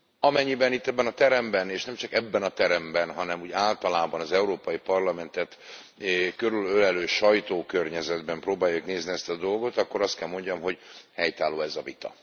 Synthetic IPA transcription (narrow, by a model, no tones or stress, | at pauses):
ɒmɛɲːibɛnit̪ːɛbːɛnɒt̪ɛɾɛmbɛneːʃnɛmt͡ʃɒkɛbːɛnɒt̪ɛɾɛmbɛnɦɒnɛmuːɟaːlt̪ɒlaːbɒnɒzɛuɾoːpɒjipɒrlɒmɛnt̪ɛt̪ | køɾylølɛløːʃɒjt̪oːkørɲɛzɛd̪bɛmproːbaːjukneːzniɛst̪ɒd̪o̞lɡo̞t̪ɒkːo̞ɾɒst̪kɛlmo̞ɲɟɒmɦo̞ɟhɛjt̪aːlːoːɛzɒvit̪ɒ̰